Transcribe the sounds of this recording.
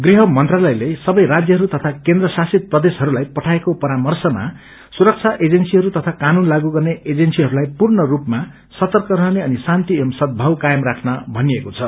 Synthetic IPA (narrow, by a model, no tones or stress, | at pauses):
ɡriɦʌmʌnt̪ralʌjlesʌbʌjɾad͡zjʌɦʌɾut̪ʌt̪ʰakend̪rʌsasit̪̚prʌd̪esɦʌɾulajpʌʈʰaekopʌɾamʌrsʌma̰ | suɾʌk̚t͡sʰaʔed͡zensiɦʌɾut̪ʌt̪ʰakanunlaɡuɡʌrneʔed͡zensiɦʌɾulajpurnʌrupma | sʌt̪ʌrkʌɾʌɦneʌnisant̪iʌmsʌd̪̚bʱʌwkajʌmrakʰnʌbʱʌniekot͡sʰʌ